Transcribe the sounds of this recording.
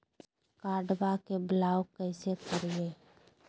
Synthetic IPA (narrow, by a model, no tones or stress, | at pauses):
kaːɖbakeblaːwkəɪsekəɾije